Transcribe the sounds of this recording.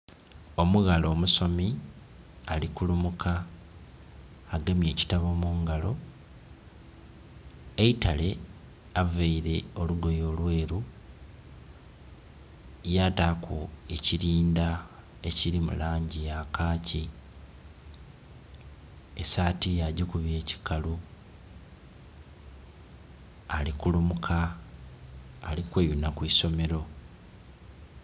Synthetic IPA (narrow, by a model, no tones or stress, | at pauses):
o̞muɣalo̞ːmuso̞mi | alikulumukʰa | ɡemje̞ːci̥taβo̞ːmuːŋɡalo̞ | eitale̞ | aveiɾe̞o̞luɡo̞jo̞ːlwe̞ːɾu | jatakʰue̞ciɾiːnda | e̞ciɾimṵlaːɲɟijakaːci | esaːtijaɟikuβje̞ːci̥kalu | likulumukʰa | likweβinakwiso̞me̞ɾo̞